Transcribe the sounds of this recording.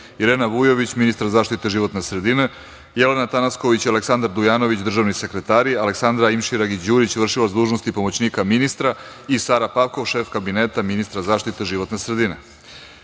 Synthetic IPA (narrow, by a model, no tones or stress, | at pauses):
iɾeːnaʋujo̞ʋit͡ɕminist̪ɾzaːʃt̪it̪e̞ʒiʋo̞t̪nesɾe̞d̪ine̞ | jele̞nat̪anasko̞ʋit͡ɕialeksand̪aɾd̪ujaːno̞ʋit͡ɕd̪r̩ʒaʋnise̞kɾet̪aːɾiale̞ksand̪ɾaimʃiɾaɡid͡ʑuːɾit͡ɕʋr̩ʃilazd̪uːʒnost̪ipo̞mot͡ɕniːkaminist̪ɾa | isaːɾapaʋko̞ʋʃe̞ːfkabineːt̪aminist̪ɾazaːʃt̪it̪e̞ʒiʋo̞t̪ne̞sɾed̪ine